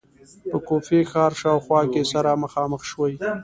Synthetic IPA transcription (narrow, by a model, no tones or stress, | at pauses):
pəkofexɑːɾʃɑːwxwɑkesaɾaməxɑːməxʃwəj